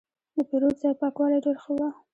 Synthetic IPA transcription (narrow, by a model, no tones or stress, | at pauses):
d̪əpeɾozajpɑkwɑlajɖeɾxəwa